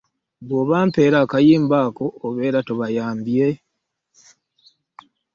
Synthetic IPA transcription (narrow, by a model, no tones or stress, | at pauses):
βwoβaːmpe̞ːɾaːkajiːmbaːko̞ʔoβe̞ːɾatoβajaːmbje